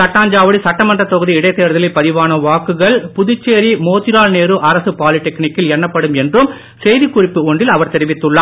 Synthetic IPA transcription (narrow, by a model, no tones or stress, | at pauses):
sɐʈːaːɲd͡ʒaːʋɐɽisɐʈːɐmɐndrɐt̪ːɔɣɯðiɪɽɐɪt̪ːeːɾɐðɐlɐɪpːɐðɪʋaːnɐʋaːkːɯɣɐɭpʊðʊt͡ʃːeːɾimoːt̪ːɪɾaːlneːɾɯʔɐɾɐsɯpaːlɪʈːɛknɪkːɪlɛnːɐpːɐɽɯmɛndrɯm | sɛjðikːʊrɪpːɯɔɳɖɪlɐʋɐɾt̪ɛɾɪʋɪt̪ːɯɭːaː